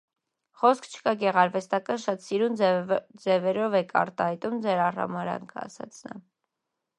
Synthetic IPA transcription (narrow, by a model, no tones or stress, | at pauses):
χɔskʰt͡ʃʰə̥kɑɡɛʁɑɾvɛst̪ɑkɑnʃɑt̪siɾund͡zɛvɛɾɔvɛkʰɑ̰ɾt̪ɑhɑjt̪umd͡zɛɾɑrɑ̰mɑɾɑ̰ŋkʰəɑ̰sɑ̰t͡sʰnɑ̰